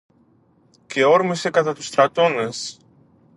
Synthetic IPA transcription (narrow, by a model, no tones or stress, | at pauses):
ce̞o̞ɾmise̞kɐt̪ɐt̪u̥st̪ɾɐt̪o̞ne̞s